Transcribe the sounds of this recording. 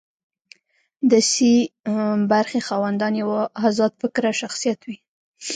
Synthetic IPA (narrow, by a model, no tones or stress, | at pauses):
d̪əsi | baɾxexɑwand̪ɑnjawahazɑt̪̚fɪkɾaʃaxsijat̪wi